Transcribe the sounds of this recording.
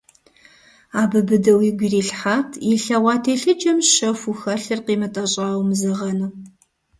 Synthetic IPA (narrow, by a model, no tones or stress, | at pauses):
aːbɨbɨdɐwiɡʷiriːɬħaːtʰiɬɐwaːtʰeːɬɨd͡ʒɐmʃɐfuxɐɬɨrqiːmɐtʼɐɕʼaːwmzɐʁɐnɨ